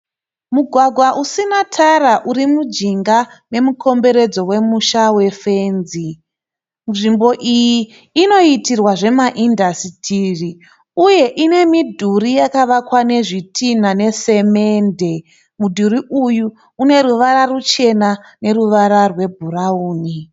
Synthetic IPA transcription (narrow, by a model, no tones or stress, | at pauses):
muɡʱwaɡʱwaʔusinatʰaraʔuɾimud͡ʒiŋɡane̞mukʰo̞mbe̞ɾe̞d͡zo̞we̞muʃawe̞fenzi | ʐimbo̞ʔijiː | no̞itirwaʐe̞maʔindasitʰiri | uje̞ʔine̞midʱurijakaʋakwane̞ʐitʰinane̞se̞me̞nde̞ | mudʱuɾiʔuju | une̞ɾuʋaɾarut͡ʃe̞na | ne̞ɾuʋaɾarwe̞bʱurauːni